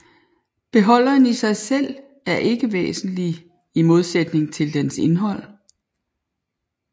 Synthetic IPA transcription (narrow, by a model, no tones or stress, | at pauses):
b̥e̝ɦɒ̽l̰ɐnisɑ̈ɪsel̰ | æɐʔe̝ɡ̥əʋḛːsn̩li | imo̝ð̞ˠsed̥ne̝ŋt͡sʰe̝ld̥ense̝nɦɒ̽l̰